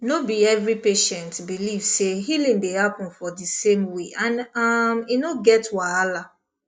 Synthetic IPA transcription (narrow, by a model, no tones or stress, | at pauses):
nobiɛvɹipeʃɛ̃ntbilivseɦilĩŋdehapɔ̃nfɔdisẽmweʔãnaminoɡɛtwaala